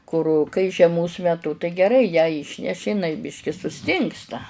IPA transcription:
kʊr kɐɪ ʒʲiɛˈmoːs mʲɛˈtʊ tɐɪ ɡʲɛˈrɐɪ jæː ˈiːʃʲnʲɛʃʲɪ ɪˈnɐɪ ˈbʲɪʃʲkʲɪ sʊˈsʲtʲɪŋkstɐ

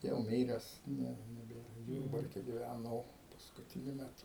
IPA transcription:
jɛʊ ˈmʲiːrʲɛs ˈnʲɛ nʲɛˈbʲeːrɐ ˈjʊrbɐrʲkʲɛ ɡʲɪˈʋʲænoː pɐskʊtʲɪˈnʲʊ mʲɛˈtʊ

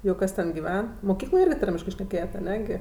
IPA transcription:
jɛʊ ˈkɐs tʲɛn ɡʲɪˈʋʲɛn moːˈkʲiːklˠoːj ˈɪrʲɡʲɪ ˈtɐrʲmʲɪʃkɜ ʃʲnʲɛˈkʲeːjɛt ɐˈnʲɛ ɡʲɪ

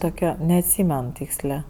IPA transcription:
ˈtoːkʲɛ nʲɛɐtʲˈsʲiːmʲɛn ˈtʲiːksʲlʲeː

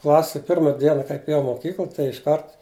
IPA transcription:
ˈklˠɑːsʲɛ ˈpʲɪrmɐ ˈdʲiɛnɐ kɐɪp ɛˈjɛʊ ɪ moːˈkʲiːklˠ tɐɪ ɪʃˈkɐrt

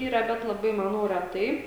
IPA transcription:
ˈiːrɐ bʲɛt lˠɐˈbɐɪ mɐˈnɐʊ rʲɛˈtɐɪ

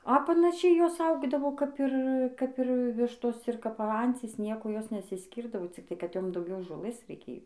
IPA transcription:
ɐ pɐnɐˈʃʲɛɪ ˈjoːs ˈɐʊɡdɐʋoː kɐp ˈɪr kɐp ˈɪr ˈʋʲɪʃtoːs ɪr kɐp ˈɐnʲt͡sʲiːs ˈnʲiɛkʊ ˈjoːs nʲɛsʲɪsʲˈkʲiːrdɐʋoː t͡sʲɪkˈtɐɪ kɐt ˈjoːm dɐʊˈɡʲɛʊ ʒoːˈlˠɘs rʲɛɪˈkʲeːjoː

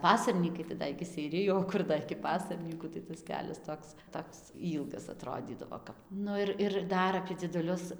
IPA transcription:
ˈpɑːsɐrʲnʲiːkɐɪ tɐɪ ˈdɐ ɪkʲɪ sʲɛɪˈrʲɪjʊ oː ˈkʊr dɐ ɪkʲɪ ˈpɑːsɐrʲnʲiːkuː tɐɪ tɐs ˈkʲæːlʲɛs ˈtoːks ˈtoːks ˈiːlˠɡɐs ɐˈtroːdʲiːdɐʋoː ˈkɐp ˈnʊ ɪr ɪr ˈdɐr ɐpʲiɛ d͡zʲiɛdʊˈlʲʊs

